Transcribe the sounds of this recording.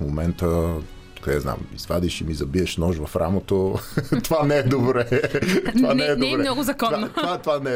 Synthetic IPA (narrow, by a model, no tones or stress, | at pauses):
momɛnt̪ə | kɐd̪ɛzna̰mḭzvad̪iʃimizɐbiɛʃnɔʒvɐfɾa̰mot̪ot̪ovanɛɛd̪obɾɛovanɛɛnobɾɛnɔɡʊzɐtkɔat̪vat̪ovanɛ